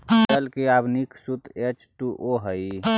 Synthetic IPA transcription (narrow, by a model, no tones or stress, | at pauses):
əlkeabniksut̪et͡ʃt̪uʔoɦəj